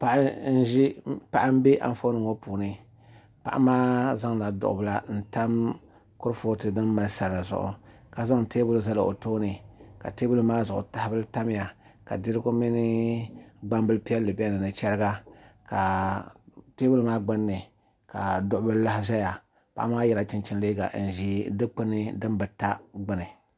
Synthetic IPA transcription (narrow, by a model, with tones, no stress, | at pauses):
pa˨ʔn̩˦ʒi˦pa˨ʔa˦m˦be˦ʔa̰˨m˦fo˦nɨ˨ŋo˦puː˨nɨ˦ | pa̰˨ʔa̰˦maː˦za˦ŋna˨dʊ̰˨ʔʊ̰˨bɨ˨la˦n̩˨ta˦m | kʊ˦ɾfo˦tɨ˨dɨ˦mː˦a˨˦sa˨la˨zʊ̰˨ʔʊ̰˨ka˨za˦ŋ˨teː˦bʊ˦lza˦la˨o̰˨toː˦nɨ˨ka̰˨teː˦bʊ˦lu˦maː˦zʊ˨ʔʊ̰˨ta˦hbɨ˦lta˦m˦ja˨ka̰˨dɨ˦ɾɨ˦ɡo˦mi˦nɪ˦ | ɡ͡ba˦mbɨ˦lpi˦a˦lːɨ˨bi˦a˦nɨ˨nɨ˨t͡ʃɛ˦ɾɨ˦ɡa˦ka˨ | teː˦bʊ˦lmaː˦ɡ͡ba˦nːɨ˨ | ka˨dʊ˦ʔʊ˦bɨ˦lla˦hɪ˦ʒa˦ja˨ | pa̰˨ʔa˦maː˦jɛ˦la˨t͡ʃɪ˦nt͡ʃɪ˦nleː˦ɡa̰˨ʔn̩˨ʒi˦dɨ˦k͡pɨ˦nɨ˦dɨ˦nbɨ˨ta˦ɡ͡bɨ˨nɨ˨